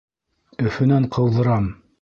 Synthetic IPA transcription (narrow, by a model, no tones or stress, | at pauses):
ɵ̆fɵ̆næɴqɤ̆wðɤ̆ɾɑm